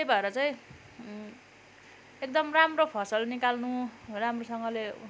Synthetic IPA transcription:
ebʱʌeɾʌt͡saj̃ | ek̚d̪ʌmramropʰʌsʌlnikalnuramrosʌŋɡʌle

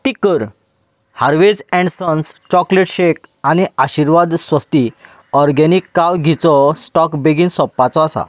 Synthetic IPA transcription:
t̪ikəɾ | haɾʋed͡zɛ̃ɳɖsənst͡ɕɔkleʈɕekañiaɕiɾʋad̪sʋəst̪i | ɔɾɡɛnikːawɡʱit͡sɔsʈɔkbeɡinsɔpːat͡sɔasa̰

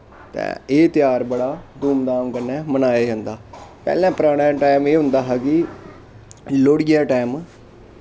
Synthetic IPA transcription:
t̪ɛ̰̃ːeːt̪jaːɾbəɽaːd̪uːmd̪aːmkəɾnɛːmənaːeːd͡ʒãːnd̪aːpɛ̰ːlɛ̃ːpɾaːɽ̃ɛ̃ːʈaːmeːɦʊ̃nd̪aːɦɛkɪ | loːɽijaːʈaːm

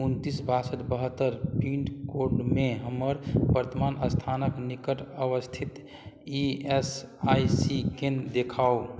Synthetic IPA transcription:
unt̪isbʱasət̪bəɦət̪ːəɾpiɳʈkoɾɖmeɦəmːəɾbəɾt̪əmanəst̪ʰanəknikəʈəʋəst̪ʰit̪ | iesajsikend̪ekʰao

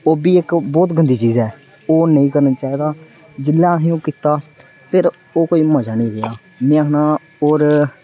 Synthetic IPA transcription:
oːbiːɪkbɔːt̪ɡʱənd̪iːt͡ʃiːzɛː | oːnəĩːkəɾnaːt͡ʃaːiːd̪aː | d͡ʒɪlːãːsĩːõːkiːt̪aː | pʰɪɾ | oːkoːiːmə̃ːd͡ʒaːnĩːɾeaː | mẽːaknaː | oːɾ

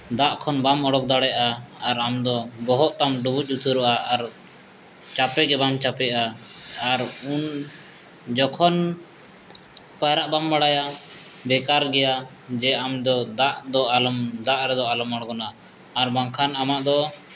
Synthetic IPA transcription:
d̪aʔkʰɔnbamɔɽɔk̚d̪aɽɛʔaːɾamd̪ɔbɔɦɔʔt̪amɖubuc̚ˀut̪ʰuɾɔʔaʔaɾ | t͡ʃapɛɡɛbamt͡ʃapɛʔaː | ɾun | d͡ʒɔkʰɔn | paɾaʔbambaɽajabɛkaɾɡɛja | d͡ʒɛamd̪ɔd̪aʔd̪ɔalɔmd̪aʔɾɛd̪ɔalɔmaɽɡɔnaː | ɾbaŋkʰanamaʔd̪ɔ

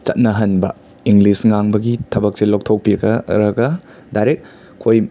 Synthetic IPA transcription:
t͡ʃɐ̰t̚nɐɦɐnbɐ̰ | iŋɡlisŋaŋbɐɡitʰɐbɐk̚selok̚tʰok̚piɾɐɡɐɾɐɡɐ | dajɾek̚ | kʰːoj

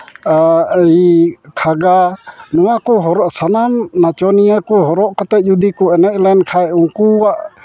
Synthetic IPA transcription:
əjkʰaɡanɔwakɔɦɔɾɔʔsanamnat͡ʃɔnijakuɦɔɾɔʔkɔt̪ɛd͡ʒud̪ikuɛnɛc̪̚ˀlɛnkʰajuŋkuwaʔ

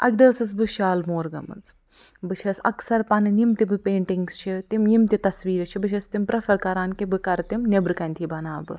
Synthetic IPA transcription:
ʔɐ̰ɡʲd̪ɐːsɨs̬bɨʃaːlmoːɾɡɐ̰mɨ̰nt͡s | bɨt͡ʃʰɐsɐ̰ksɐɾpɐnɨnimt̪ibɨpeːɳʈiŋɡst͡ʃʰit̪imjimt̪it̪ɐsʋiːɾɨt͡ʃʰibɨt͡ʃʰɐst̪impɾɐfɐɾkɐɾaːnkibɨkɐɾt̪imnebɾɨkɐnʲt̪ʰibɐnaːbɨ

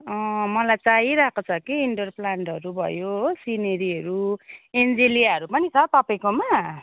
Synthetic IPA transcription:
ʌ̃mʌlajt͡saiɾakot͡sʰʌkiːɳʈʌrplaɳʈɦʌɾubʱʌ̰josineɾiʌɾuend͡zeliaʌɾupʌnit͡sʰʌt̪ʌpaĩkoma

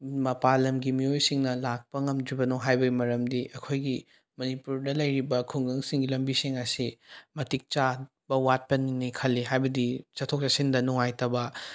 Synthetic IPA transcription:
mɐpalɐmɡimiojsiŋnɐlak̚pɐŋɐmdibɐnoɦajbɐɡimɐɾɐmdiʔɐkʰojɡi | mɐnipuɾdɐlɐjɾibɐkʰuŋɡɐŋsiŋɡilɐmbisiŋɐsimɐtik̚t͡ʃa | b̥ɐwat̚pɐninikʰɐlːiɦajbɐdit͡ʃɐtʰok̚t͡ʃasindɐnuŋajtɐbɐ

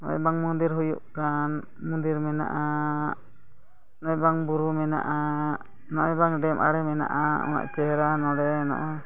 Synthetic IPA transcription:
nɔ̰ɔ̰jbaŋmɔnd̪iɾɦujṵʔkan | mɔnd̪iɾmɛna̰ʔa | nɔjbaŋbuɾumɛna̰ʔa | nɔʔjbaŋɖɛmʔa̰ɽɛmɛna̰ʔaɔ̰na̰ʔt͡ʃɛɦɛɾanɔɽɛnɔ̰ʔɔ

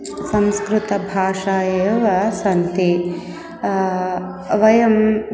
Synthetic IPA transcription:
sɐ̃mskɾut̪ɐbʱaːʂaːjɐʋɐsɐnt̪i | ʋɐjɐm

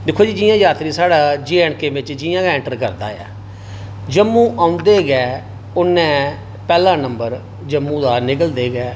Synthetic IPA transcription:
d̪ɪkʰːoːd͡ʒiːd͡ʒɪːjãːjaːt̪ɾiːsaːɽaːd͡ʒeːɛːɳkeːbɪt͡ʃd͡ʒɪːjãːkːɛ̃ɳʈəɾkəɾd̪a̰ːja̰ː | d͡ʒəmːũːʔaːʊ̃nd̪eːɡɛː | ʊnːɛ̃ː | pɛːlãːnəmbəɾ | d͡ʒəmːũːd̪aːnɪkəld̪eːɡɛː

